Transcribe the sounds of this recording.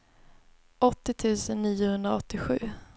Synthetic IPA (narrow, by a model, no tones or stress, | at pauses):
ʔɔt̪ːɪt̪ʰʉ̟ːsənːiːʊhɵnd̪ɾaɔt̪ːɪɧʉ̟ː